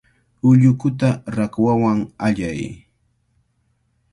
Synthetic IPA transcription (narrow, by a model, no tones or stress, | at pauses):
ʊʎʊkʊt̪aɾakwawaŋaʎaj